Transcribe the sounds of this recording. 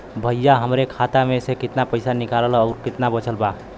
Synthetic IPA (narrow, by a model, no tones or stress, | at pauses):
bʱəjjːaɦəmɾekʰat̪amẽsekɪt̪napəɪsanɪkallɔːɾkɪt̪nabət͡ʃʰəlba